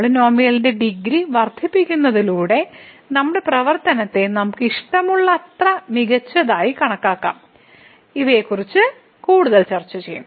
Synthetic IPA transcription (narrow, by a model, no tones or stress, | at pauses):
ɭino̞ːmijɐlinde̞ɖiɡɾiʋɐrd̪ʱipːikʲːunːɐðiluːɽe̞ | nɐmːuɽe̞prɐʋɐrt̪ɐnɐt̪ːe̞nɐmukːiʂʈɐmuɭːɐːt̪rɐmiɣɐt͡ɕːɐðaːjikɐɳɐkːaːkːa̰ːm | iʋe̞ːkːurit͡ɕːɨ | kuːɽuðɐlt͡ɕɐrt͡ɕːɐt͡ɕejːṵ